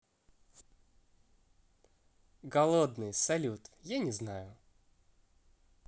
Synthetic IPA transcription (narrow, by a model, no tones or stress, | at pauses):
ɡɐlˠod̪nɨjsɐlʲut̪janʲɪznajʊ